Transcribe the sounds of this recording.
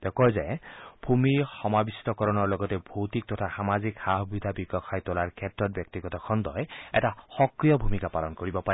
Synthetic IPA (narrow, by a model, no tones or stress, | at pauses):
d̥ɔkɔjzɛbʱumixɔmabisi̥tɔkɔɹɔnɔɹlɔɡɔtɛbʱowtik̚tɔtʰaxamazikxaɦɔbʱid̪ʱabiɡɔkʰajtɔlaɹkʰɛtɹɔt̚bjɔk̚tiɡɔtɔkʰɔndɔjɛ̰taxɔkɹijɔbʱumikapalɔnkoɹibɔpaɹɛ